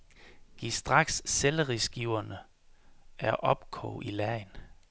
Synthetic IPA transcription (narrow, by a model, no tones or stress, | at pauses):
ɡ̥isd̥ʁɑ̈ɡ̥sːeləʁisɡ̥iʊ̰ɐnə | ʔæɐʔɒ̽b̥kʰɔ̰ːʔilæɐɪn